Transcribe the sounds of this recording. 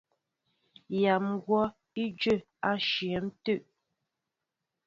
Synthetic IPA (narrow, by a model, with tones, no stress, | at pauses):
ja˨mɡwɔ˦ | i˦d͡ʒə˦˨ | a˦ʃjə˨˦m˦tə˦˨ʔ